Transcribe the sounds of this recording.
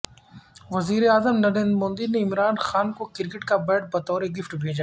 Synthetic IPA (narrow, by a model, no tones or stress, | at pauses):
ʋɐziːɾeaːzəmnɐɾẽːnd̪ɾmõːnd̪ineɪmɾaːnxaːnkokɪɾkɪʈkabɛːʈ̚bɐt̪ɔːɾeɡɪfʈbʱeːd͡ʒa